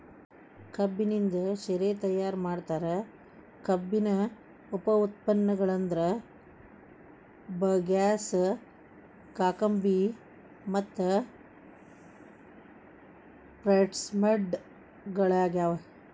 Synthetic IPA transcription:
kɐbːinind̪ɐʃeɾeːt̪ɐjːaːɾmaːɖt̪aːɾe | kɐbːinɐ | upɐut̪̚pɐnːɐɡɐɭɐnd̪ɐɾɐ | bɐɡaːs | kaːkɐmbi | mɐt̪ːɐ | pɾɐʈsmɐɖ | ɡɐɭaːɡaːʋɐ

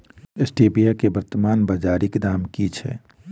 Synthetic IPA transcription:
esʈeːbijakebəɾt̪əmaːnbad͡ʒaːɾɪkd̪aːmkit͡ʃʰɛ̰

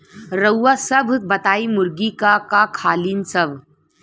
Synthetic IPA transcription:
ɾəwːasɐbʱbɐt̪aːimʊɾɡikakakʰaːliːnsəbʱ

